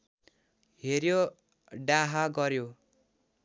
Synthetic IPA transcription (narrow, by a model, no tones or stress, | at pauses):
ɦeɾjo | ɖaɦaɡʌɾjo